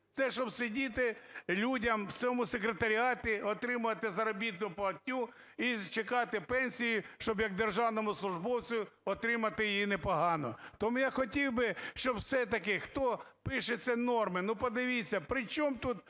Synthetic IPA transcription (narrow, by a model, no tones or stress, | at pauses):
t̪sɛʃt͡ʃɔbsɪdʲit̪ɪlʲudʲɐmt͡sʲɔmʊsekɾet̪ɐɾʲɪɑt̪ɪɔt̪ɾɪmʊʋɐt̪ɪzɐɾɔbʲit̪nʊpɐlˠɐtʲːu | it͡ʃekɑt̪ɪpɛnʲsʲijʊʃt͡ʃɔbjɐɡ̚d̪erʒɑwnɔmʊslˠʊʒbɔwt͡sʲʊjʊɔt̪ɾɪmɐt̪ɪjijinepɔɦɑnɔt̪ɔmujaxɔtʲiwbɪʃt͡ʃɔbwsɛt̪ɐkɪxt̪ɔpɪʃet͡sʲːɐnɔrmɪnupɔd̪ɪʋʲit͡sʲːɐpɾɪt͡ʃɔmt̪ut̪